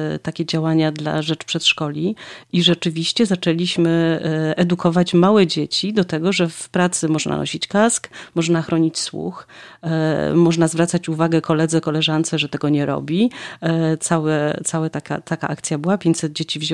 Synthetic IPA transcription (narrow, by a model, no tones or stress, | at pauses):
t̪akʲɛd͡ʑawaɲad̪la̰ʐɛt͡ʂpʂɛt̪ʂkɔlʲiiʐɛt͡ʂɘvʲiɕt͡ɕɛzat͡ʂɛlʲiɕmɘɛd̪ukɔvat͡ɕmawɛd͡ʑet͡ɕid̪ɔt̪ɛɡɔʐɛfpɾat̪sɘmɔʐna̰nʔɔ̰ɕit͡ɕkaskmɔʐnaxɾɔɲit͡ɕswṵx | mɔʐnazvɾat̪sat͡ɕuvaɡɛkɔlɛd̪zɛkɔlɛʐant̪sɛʐɛt̪ɛɡɔɲɛɾɔ̰bʲi | t̪sawɛt̪sawɛt̪akʲa̰t̪ʰaka̰ʔak̚t̪sʲjabɘwapʲjeɲt͡ɕsɛd̪̚d͡ʑet͡ɕivʑ